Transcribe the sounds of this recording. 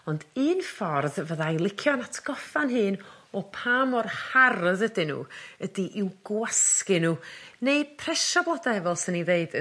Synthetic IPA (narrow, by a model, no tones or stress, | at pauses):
ɔndɨːnfɔrðvəðajlˠɪkʰjɔnatʰɡ̥ɔfanɦɨːn | ɔpʰamɔrhaɾəðədɪnṵədiʔɪwɡwaskɪnuːneɨpʰrɛʃablˠɔdaɛvɔlˠsɪniðeɨd